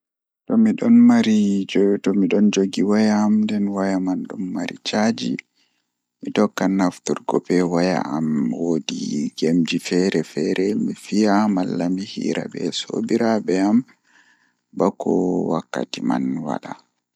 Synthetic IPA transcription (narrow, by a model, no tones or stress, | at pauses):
tɔmiɗɔnmaɾid͡ʒtɔmiɗɔnd͡ʒoɡiwajaːmndɛnwajamanɗumːaɾit͡ʃad͡ʒi | mitɔkːanaftuɾɡɔpɛwaja̰amwodiɡemd͡ʒifɛɾɛfɛɾɛmifijamalːamihḭːɾa̰bɛ̰so̰biɾabɛam | bakːɔwakːa̰tima̰nwa̰ɗa